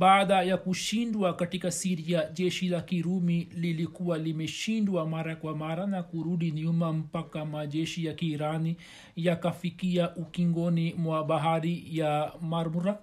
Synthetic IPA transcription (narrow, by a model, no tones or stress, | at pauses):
ɓaːɗajakuʃindwakatikasiɾiaʄɛʃilakiɾumililikuwalimɛʃindwamaɾakwamaɾanakuɾuɗiniumam̩pakamaʄɛʃijakiːɾani | jakafikiaʔukiŋɡɔnimwaɓaɦaɾijamaɾmuɾa